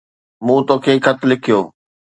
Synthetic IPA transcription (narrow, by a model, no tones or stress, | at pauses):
mũːt̪oːkʰeːkʰɐt̪ʰʊlɪkʰijoː